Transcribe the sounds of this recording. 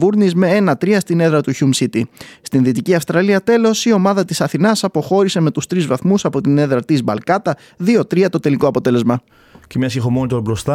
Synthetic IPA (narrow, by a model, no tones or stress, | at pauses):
vuɾnizme̞e̞nɐt̪ɾiɐst̪ine̞ðɾɐt̪uçumsit̪ist̪inðit̪iciɐfst̪ɾɐliɐt̪e̞lo̞sio̞mɐðɐt̪isɐθinɐsɐpo̞xo̞ɾise̞me̞t̪ust̪ɾizvɐθmusɐpo̞t̪ine̞ðɾɐt̪izbɐlkɐt̪ɐ | ðio̞t̪ɾiɐt̪o̞t̪e̞liko̞ɐpo̞t̪e̞le̞zmɐ | cemɲɐsixomonit̪oɾbɾo̞st̪ɐ